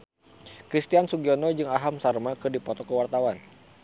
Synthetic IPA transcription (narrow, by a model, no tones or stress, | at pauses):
kɾist̪iansuɡiɔnɔd͡ʒɨŋaɦamsarmakɨrdipɔt̪ɔkəwart̪awan